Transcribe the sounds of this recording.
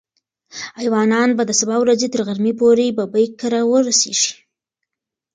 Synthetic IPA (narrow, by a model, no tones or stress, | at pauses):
ajwɑnɑnbad̪əsabɑwɾazet̪əɾɣaɾmipoɾebabəjkaɾawəɾaseʒ̥i̥